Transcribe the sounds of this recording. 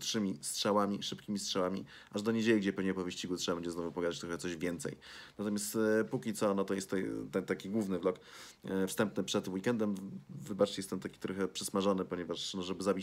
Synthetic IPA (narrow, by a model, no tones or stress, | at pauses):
t̪ʂɘmʲistʂɛwamʲiʂɘpkʲimʲistʂɛwamʲḭ | ʔaʐd̪ɔɲed͡ʑelʲiɡd͡ʑɛpɛvɲɛpɔvɘɕt͡ɕiɡut̪tʂɛbabɛɡd͡ʑɛznɔvupɔɡad̪at͡ɕt̪ɾɔxɛt̪sɔʑvʲjɛnt̪sɛ̰jnat̪ɔmʲjast̪pukʲit̪sɔnɔt̪ɔjɛst̪ːɔt̪ɛnt̪akʲiɡwuvnɘvlɔk | fst̪ɛmpnɘpʂɛt̪wikɛnd̪ɛmvɘbat͡ʂt͡ɕjɛst̪ɛnt̪akʲi̥t̪ɾɔxɛpʂɘsmaʐɔnɘpɔɲɛvaʂnɔʐɛbɘzabʲi